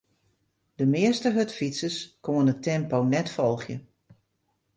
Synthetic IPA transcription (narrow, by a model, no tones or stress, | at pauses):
dəmɪəstəɦøtfitsəskoənətɛmpownɛtfɔlˠχjə̰